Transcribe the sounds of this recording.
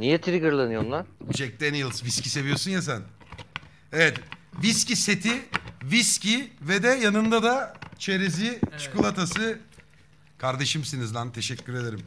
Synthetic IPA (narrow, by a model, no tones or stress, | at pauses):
nijɛt̪ʰiɾiɡɯɾlˠanɯjonlˠaɾt͡ʃʰɛc̚t̪ɛnjɯlˠsviscʲise̞vijo̞sunjas̬æn | evɛt̪viscʲise̞t̪ʰiviscivɛd̪ɛjanɯnd̪ad̪at͡ʃʰeɾezit͡ʃʰkulˠat̪ʰasɯ | kʰaɾd̪e̞ʃɯmsinizd̪ant̪ʰe̞ʃɛcʲːyɾe̞d̪eɾim